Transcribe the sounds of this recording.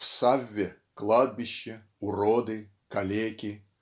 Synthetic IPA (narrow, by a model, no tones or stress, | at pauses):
fsavʲːɛ | klˠad̪̚bʲiɕːɛ | uɾɔd̪ɨ | kalʲekʲi